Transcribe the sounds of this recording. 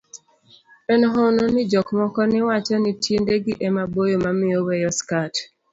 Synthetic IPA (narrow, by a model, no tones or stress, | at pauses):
enɔɦononɪd͡ʒɔkmɔkɔnɪwat͡ʃɛnɪtʰindeɡɪʔɛmabojomamɪowɛjɔskat